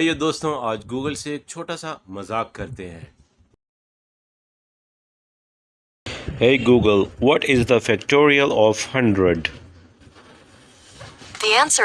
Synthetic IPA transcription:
jed̪oːst̪õaːd͡ʒɡuːɡəlseːk̚t͡ʃʰoːʈasamɐzaːkːɐɾt̪eɦɛ̰̃ː | heɪɡuːɡəlʋɔʈɪzd̪əfɛkʈoːɾiəlɔːfhʌ̃ɳɖɾəɖ | d̪iæ̃nsə

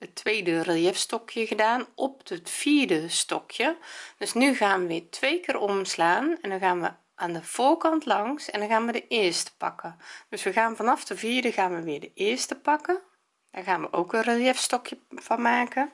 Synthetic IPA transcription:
ətʰʋeːdərəlˠjɛfstɔkʰjəɣədaːnʔɔp̚dətfiːrdəstɔkʰjəd̥øsnyɣaːnʋəʋɪːtʰʋejkɪːrɔmslaːnɛndɔnɣaːnʋə | ʔaːndəv̥oːrkɑntlɑŋsɛndɔnɣaːnʋədəʔɪːstə̥pɑ̰kəd̥øsʋəɣaːnvɑnɑfdəviːdəɣaːnʋəʋɪːɹdəʔɪːɹstəpɑkə | daːrɣaːnʋəʔoːkənrəlˠjɛfstɔkʰjəv̥ɑnmaːkə

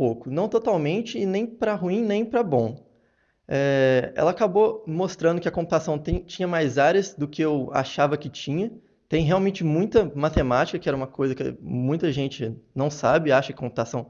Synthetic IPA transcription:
pokʊnɐ̃w̃t̪ot̪awmẽnt͡ʃɪːnẽj̃pɾɐɦuĩnẽj̃pɾɐbõ | ɛɛ̰lɐakabomost̪ɾɐ̃d̪ʊkɪɐkõmpu̥t̪asɐ̃w̃t̪ẽt͡ʃĩɲɐmajzaɾjɐsd̪ʊkɪewa̰ʃavɐkɪt͡ʃĩɲɐ | t̪ẽj̃ɦeawmẽnt͡ʃɪmũj̃t̪ɐmat̪emat͡ʃɪ̥kɐkɪɛɾɐũmɐkojzɐkɪ̰mũj̃t̪ɐʒẽnt͡ʃɪnɐ̃w̃sabɪaʃɐkɪ̥kõp̚ʊt̪asɐ̃w̃

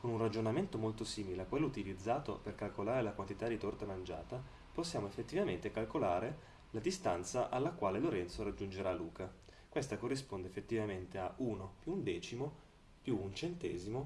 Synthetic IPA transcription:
konunrad͡ʒonament̪omolt̪osiːmileakːwelːout̪ilid̪zːaːt̪o̰perkalkolaːɾelakwant̪it̪ad̪ːit̪ɔrt̪amand͡ʒa̰ːt̪a | posːjaːmoefːet̪ːivament̪ekalkolaːɾe | lad̪ist̪ant̪saʔalːakwaːleloɾɛnt̪soɾad͡ʒund͡ʒeɾalːuːka | kwest̪akorːispond̪efːet̪ːivament̪eaʔuːnopjuːnd̪ɛːt͡ʃimo | pjuunt͡ʃent̪ɛ̰ːzimo

